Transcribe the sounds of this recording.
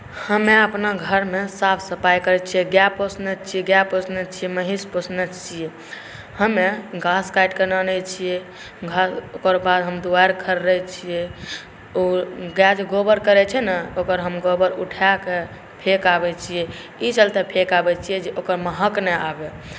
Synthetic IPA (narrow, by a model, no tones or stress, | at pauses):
həmeəpnaɡʱəɾmesapʰsəpajkəɾɛt͡ʃʰijɛɡjaposnɛt͡ʃʰijɛɡjaposnɛt͡ʃʰiɛməɦisposnət͡ʃʰijɛ | həmeɡaskajʈkenənɛt͡ʃʰijɛ | ɡʱasokəɾbad̪ɦəmd̪uajɾkʰəɾːɛt͡ʃʰijɛ | oɡad͡ʒɡobəɾkəɾɛt͡ʃʰɛnəokəɾɦəmɡobəɾuʈʰake | pʰekabɛt͡ʃʰijɛ | it͡ʃəlt̪epʰekabɛt͡ʃʰijɛd͡ʒeʔokəɾməɦəknɛabe